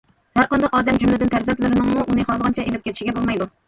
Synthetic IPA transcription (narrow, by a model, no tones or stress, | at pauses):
hæɾqɑnd̪ɑqɑːd̪ɛmd͡ʒymlɪd̪ɪnpʰæɾzɛnt̪lɪɾɪnɪŋmuʔunɨχɑlˠʁɑnt͡ʃʰɛʔelɪp̚kʲʰet̪ʰɪʃɪɡʲɛbolˠmɑjd̪u